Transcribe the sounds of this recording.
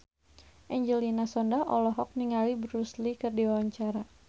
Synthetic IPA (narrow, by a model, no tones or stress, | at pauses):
ʔɛɲd͡ʒɛlinasɔndaʔɔlɔɦɔk̚niŋalibəruslikərdiwawaɲt͡ʃaɾa